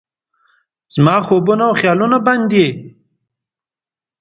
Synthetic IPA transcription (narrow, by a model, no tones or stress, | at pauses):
z̥mɑːxobunawxjɑlunaband̪e